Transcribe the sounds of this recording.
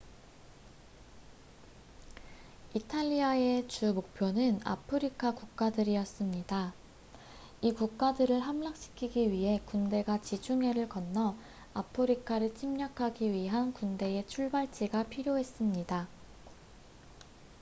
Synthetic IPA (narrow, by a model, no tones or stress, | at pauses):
itʰaʎːiae̞t͡ɕumok̚pʰjonɯna̰pʰɯɾikʰakuk̚k͈adɯɾijʌs͈ɯmɲida | ikuk̚k͈adɯɾɯɭɦamlak̚ɕ͈i̥kʰiɡiɥiɦe̞kunde̞ɡat͡ɕit͡ɕʰuŋɦe̞ɾɯɭkʌnːʌ | apʰɯɾikʰaɾɯɭt͡ɕʰimɲʌkʰaɡiɥiɦankunde̞et͡ɕʰuɭbaɭt͡ɕ͈iɡapʰiɾjoɦe̞s͈ɯmɲida